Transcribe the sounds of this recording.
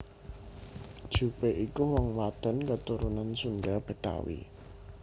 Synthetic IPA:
d̥ʒ̥ṳpeʔikuwɔŋwad̪̥ə̤nkət̪uɾunansundab̥ə̤t̪a̰wḭ

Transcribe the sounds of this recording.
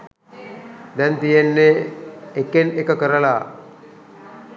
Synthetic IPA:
d̪ɛnt̪ijenːeː | kenekəkəɾəla

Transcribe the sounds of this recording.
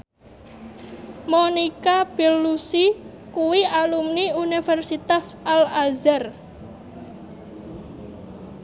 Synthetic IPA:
monikab̥e̤lːusi | kuwiʔalumniunifɛrsit̪asʔalazar

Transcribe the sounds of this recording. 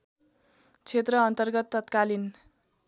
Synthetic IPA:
t͡sʰet̪rʌːnt̪ʌrɡʌt̪ːʌt̪kalin

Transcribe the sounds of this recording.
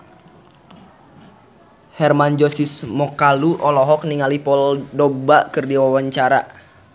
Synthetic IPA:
hɛrmand͡ʒɔsismɔkaluʔɔlɔɦɔk̚niŋalipɔldɔɡ̚baʔkɨrdiwawaɲt͡ʃaɾa

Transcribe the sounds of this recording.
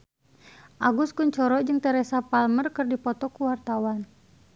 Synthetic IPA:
ʔaɡuskuɲt͡ʃɔɾɔd͡ʒɨŋt̪ɛɾɛsapalmərkɨrdipɔt̪ɔkuwart̪awan

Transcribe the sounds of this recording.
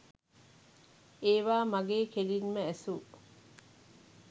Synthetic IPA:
eːʋaːmɐɡeːkelinməæsu

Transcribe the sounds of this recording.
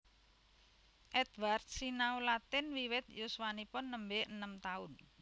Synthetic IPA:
ʔɛd̪ward̪̚sinaulat̪ɪnwiwɪt̪̚joswanipʊnːəmbeənəmt̪aʊn

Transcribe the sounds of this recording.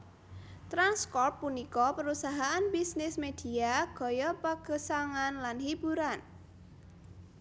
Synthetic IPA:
t̪ɾanskɔrpːunikɔpəɾusaɦaʔanbisnɪsmed̪̥i̤aɡ̥ɔ̤jɔpəɡ̥ə̤saŋanlanhib̥uɾan

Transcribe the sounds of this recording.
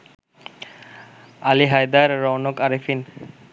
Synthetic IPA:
aliɦajd̪aɾːɔwnɔkaɾifʰin

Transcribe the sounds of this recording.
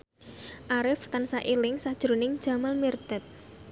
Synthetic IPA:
ʔaɾɪft̪ansaʔilɪŋsad̥ʒ̥ɾonɪŋd̥ʒ̥a̤malmird̪̥ət̪̚

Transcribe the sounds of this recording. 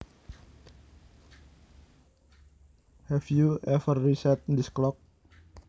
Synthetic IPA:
hɛfjuɛfərːisɛt̪̚ndisklɔk̚

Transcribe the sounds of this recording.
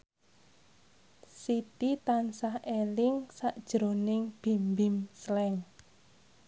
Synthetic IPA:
sit̪it̪ansahelɪŋsaʔd̥ʒ̥ɾonɪŋb̥i̤mbimslɛŋ

